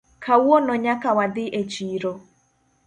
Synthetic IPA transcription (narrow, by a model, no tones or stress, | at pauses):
kʰawɔnɔɲakawadɪʔet͡ʃiɾo